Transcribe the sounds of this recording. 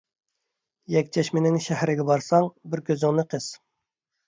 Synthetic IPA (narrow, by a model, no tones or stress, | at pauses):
jɛkʲt͡ʃʰɛʃmɪnɪŋʃæhɾɪɡʲɛbɑɾsɑŋbɪɾkʲøzɪŋnɪqʰəz̥